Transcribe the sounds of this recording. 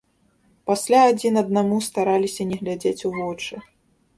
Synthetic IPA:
pasʲlʲaːd͡zʲinɐd̪̚namust̪aɾalʲisʲɐnʲɛɣlʲad͡zʲet͡sʲuvɔt͡ʂɨ

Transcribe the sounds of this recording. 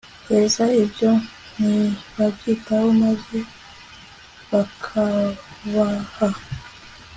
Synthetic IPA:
hezaibjo̞ | niβabɡitawomaze | βakʰaβaha

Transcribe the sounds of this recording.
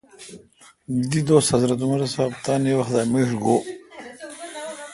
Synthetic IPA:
d̪id̪oːsɐzɾɐt̪̬umɐɾɐsaːbt̪aːnewɐxd̪amiɾɡo

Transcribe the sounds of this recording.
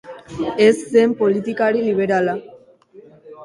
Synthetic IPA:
essempolit̪ikaɽiliβeɾala

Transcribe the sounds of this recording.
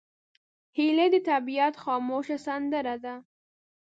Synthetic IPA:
hiled̪ət̪abijat̪xɑmoʃasand̪əɾad̪a

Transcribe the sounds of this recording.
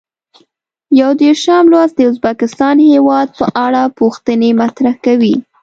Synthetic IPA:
jawd̪eɾʃamlwazd̪əʊzbakɪst̪ɑnhewɑd̪̚pəʔaɽapuxt̪ənemat̪ɾahkawi

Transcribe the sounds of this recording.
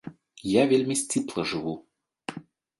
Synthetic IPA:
javʲelʲmʲisʲt͡sʲiplˠɐʐɨvu

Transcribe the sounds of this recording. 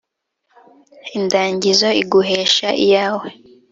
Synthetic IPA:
indaːɲɟizo̞iɡuɦeːʃaʔḭjaːwe

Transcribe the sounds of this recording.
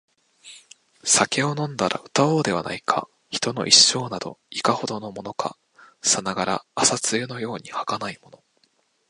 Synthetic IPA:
sake̞o̞nõ̞nd̪aɾa̰ɯ̟̥t̪ao̞ːd̪e̞βa̰na̰ikʰa̰ | çi̥t̪o̞no̞ʔiɕːo̞ːnad̪o̞̰ikaho̞d̪o̞no̞mo̞no̞kʰa̰ | sanaɡaɾa̰ːsat͡sɨeno̞jo̞ːɲ̟ihakanaimo̞no̞

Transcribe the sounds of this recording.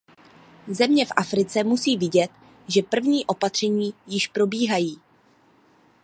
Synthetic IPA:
zɛmɲɛfʔafɾɪt͡sɛmusiːvɪɟɛt̪ | ʒɛpr̩vɲiːʔo̞pat̪r̝̥ɛɲiːjɪʃpɾo̞biːɦajiː

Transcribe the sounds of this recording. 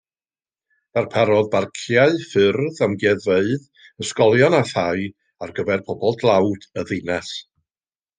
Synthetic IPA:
arpʰaɾɔðbarkʰjaɨfɨrðamɡɛðveɨð | əskɔlˠjɔnaθaɨ | arɡəvɛrpʰɔbɔlˠdlˠawd̥əðɨnɛs

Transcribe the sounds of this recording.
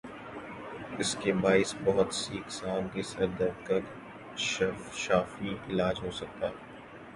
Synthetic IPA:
ɪskebaːɪsbɐɦʊt̪siːksaːŋkesɐɾd̪ɐɾk̪ɐk | ʃʃaːfiɪlaːd͡ʒɦoːsɐk̚t̪aː

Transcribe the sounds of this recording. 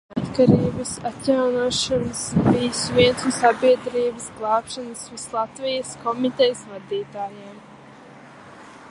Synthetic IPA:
at̪kaɾiːbɐsat̪jawnuɔʃanɨsbijsviɛnsusabiɛd̪ɾiːbəsɡlˠɑːpʃanəsvislˠat̪vijəskɔmit̪ɛjəsvad̪iːt̪aːjem

